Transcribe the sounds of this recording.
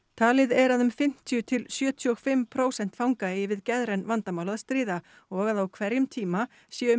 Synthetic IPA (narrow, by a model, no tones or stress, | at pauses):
t̪ʰaːlɪðɛɾaðʏmfɪm̥t̪ʰjʏt̪ʰɪlsjœːt̪ʰʏɔɣfɪmpʰɾoːwsɛn̥t̪fawŋkaeːjɪvɪðcɛðɾɛnvant̪amawlaðast̪ɾiːða | ɔɣaðawkʰvɛɾjʏmt̪ʰiːma | sjɛːʏ